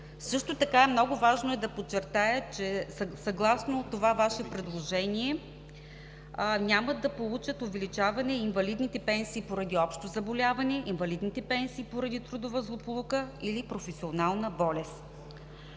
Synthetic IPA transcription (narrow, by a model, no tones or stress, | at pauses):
sɤʃt̪ot̪ɐkaɛmnɔɡʊvaʒnoɛd̪ɐpot͡ʃːɛɾt̪ajət͡ʃɛssɐɡlˠasnot̪ovavaʃɛpɾɛd̪lˠoʒɛniɛ | nʲaməd̪ɐpolˠut͡ʃət̪ovɛlit͡ʃavɐnɛinvɐlid̪nit̪ɛpɛnsiːpoɾɐd̪iɔpʃt̪ozɐbolʲavɐnɛʔinvɐlid̪nit̪ɛpɛnsiːpoɾɐd̪it̪ɾud̪ovəzlˠopolˠukəilipɾofɛsʲionalˠnəbɔlɛs